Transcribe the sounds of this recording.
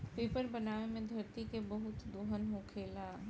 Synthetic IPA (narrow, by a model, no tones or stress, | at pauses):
peːpəɾbɐnaːʋemẽd̪ʱɐɾt̪ikebɐɦʊt̪d̪oːɦənɦõkʰeːla